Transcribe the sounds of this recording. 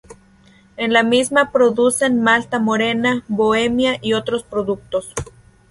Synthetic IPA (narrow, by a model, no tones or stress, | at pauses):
enlamismapɾoðusenmalt̪amoɾenaβoemjaʔiot̪ɾospɾoðuk̚t̪os